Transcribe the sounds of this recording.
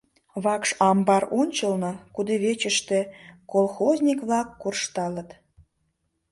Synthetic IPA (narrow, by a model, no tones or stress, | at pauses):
βɑkʃɑmbɑɾonʲt͡ɕəlnɤkud̪eβet͡ɕəʃt̪ĕkolˠxozʲnʲikβlɑkːurʃt̪ɑlət̪